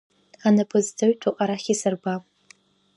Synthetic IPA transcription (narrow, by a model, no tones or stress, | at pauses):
anɨpʰɨzdʰaɥtʷʰuqʼaɾaχʲisɨrba